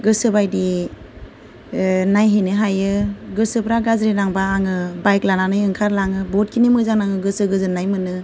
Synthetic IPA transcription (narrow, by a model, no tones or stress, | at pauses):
ɡɯsɯbajdi | najɦenɯɦajɯɡɯsɯbɾaɡazɾinaŋbaːŋɯbajklananɯjɯŋkʰaɾlaŋɯbɔt̚kʰinimɯzaŋnaŋɯɡɯsɯɡɯzɯnːajmɯnɯ